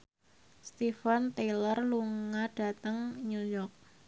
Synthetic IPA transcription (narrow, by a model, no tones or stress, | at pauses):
st̪ifant̪elərluŋad̥a̤t̪əŋɲujɔk̚